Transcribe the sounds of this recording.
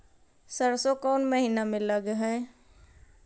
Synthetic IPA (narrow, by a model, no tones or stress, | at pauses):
səɾsokɔːnməɦiːnamẽləɡɦɛ̃ː